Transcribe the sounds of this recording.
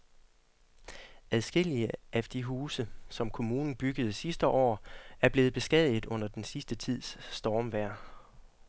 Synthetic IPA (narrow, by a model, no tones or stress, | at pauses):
æðˠsɡ̥e̝l̰iəæd̥iɦuːsəsɒ̽mkʰo̝muːnn̩b̥yɡ̥əð̞̩ˠsisd̥əʔɒ̰ːæɐb̥le̝ːð̩ˠb̥e̝sɡ̥ɛð̰ˠð̩ˠɔ̽n̰ɐd̥ensisd̥ət͡sʰið̞̰ˠsːd̥ɒːmʋæɐ̰